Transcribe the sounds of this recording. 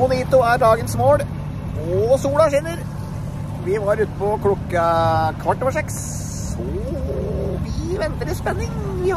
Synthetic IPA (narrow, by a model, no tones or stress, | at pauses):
mʊniːt̪ʊæɖɑːɡənsmoːɽ | ɔsuːɽɑʂɪnːəɾ | ʋɪʋɑɾʉːt̪əpɔkʰlʊkːɑkʰʋɑʈːɔʋəʂɛks | ɔ | biʋɛnt̪əɾəspɛnːɪŋ